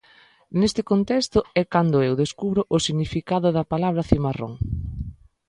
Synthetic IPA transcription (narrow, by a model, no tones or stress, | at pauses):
nest̪ɪkont̪ɛst̪ʊɛkand̪ʊewðeskuβɾʊʔʊsiɣnifikaðʊðɐpalaβɾɐθimaro̰ŋ